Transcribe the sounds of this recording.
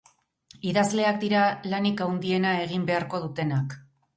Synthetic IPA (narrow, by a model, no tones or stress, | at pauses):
iðazle̞akd̪iɾalanikawnd̪ie̞nae̞ɣ̞imbe̞aɾko̞ð̞ut̪e̞nak